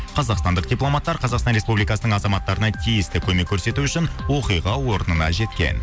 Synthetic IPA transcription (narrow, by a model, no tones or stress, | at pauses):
qʰɑzɑqst̪ɑnd̪əq̚d̪ʲijplˠo̞mɑt̪ːɑɾqʰɑzɑqst̪ɑnɾe̞spublijkɑsənəɴɑzɑmɑt̪ːɑɾənɑt̪ʰijɪst̪ɪkʲʰɵme̞kʲʰːɵɾse̞t̪uʏʃɪnwo̞qijʁɑwo̞ɾənənɑ̰ʒe̞t̪kʲe̞̰n